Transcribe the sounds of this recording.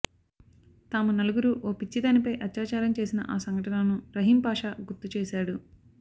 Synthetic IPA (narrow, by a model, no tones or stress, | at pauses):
t̪aːmunɐluɡuɾuʔoːpit͡ʃːid̪aːnipɐjʔɐt̪jaːt͡ʃaːɾɐmt͡ʃeːsinɐ̰ʔaːsɐŋɡɐʈɐnɐnuɾɐɦimpaːʂaːɡuɾt̪ːut͡ʃeːʃaːɽu